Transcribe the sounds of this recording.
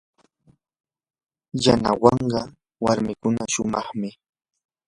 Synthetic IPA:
janawɑɴɢɑ | waɾmɪkʊnaʃʊmɑχmɪ

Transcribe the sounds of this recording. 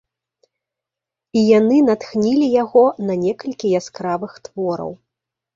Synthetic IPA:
ijanɨnat̪xnʲilʲijaɣɔnɐnʲɛkɐlʲkʲijaskɾavɨxt̪vɔɾɐ̰w

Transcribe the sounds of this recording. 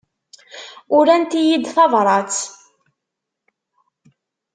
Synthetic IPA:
ʊɾænt̪ijid̪θɑðˤɾˤɑt͡s

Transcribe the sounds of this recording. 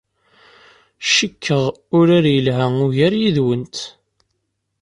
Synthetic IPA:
ʃəkʰːəʁ | ʊɾaɾjəlɦæʊʝæɾjiðwənt̪

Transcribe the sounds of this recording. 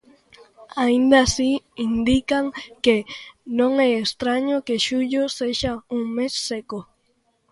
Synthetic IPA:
aind̪asi | ind̪ikaŋkenõŋɛːst̪ɾaɲokeʃuʎoseʃauŋmesːeko

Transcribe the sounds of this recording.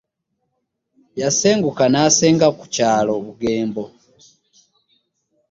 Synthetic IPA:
jase̞ːŋɡukanaseːŋɡaku̥caːlo̞βuɡe̞ːmbo̞

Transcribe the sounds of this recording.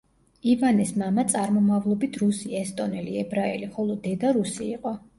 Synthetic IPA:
ivanɛsmamat̪sʼaɾmɔmavlˠɔbit̪ʰɾusiɛst̪ʼɔnɛliɛbɾaɛliχɔlˠɔd̪ɛd̪aɾusiːqʼɔ

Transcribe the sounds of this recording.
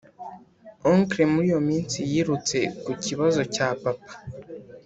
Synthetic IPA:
oŋkɾemuɾijo̞miːnsijiɾut͡se̞kuciβazo̞capapḁ

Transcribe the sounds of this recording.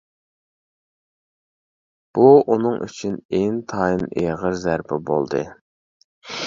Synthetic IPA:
b̥uunɨŋʔy̰t͡ʃʰyneŋt̪ʰɑːjineʁəɾzæɾpʰɪbo̰lˠd̪ɨ̰

